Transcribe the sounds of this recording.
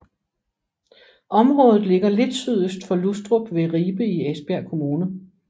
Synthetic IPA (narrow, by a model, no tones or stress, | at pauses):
ʔɒ̽mʁɔ̽ːð̩ˠle̝ɡ̥ɐle̝d̥syð̰ˠəsd̥fɒ̽lusd̥ʁob̥ʋe̝ʁiːb̥əiesb̥æɐkʰo̝muːnə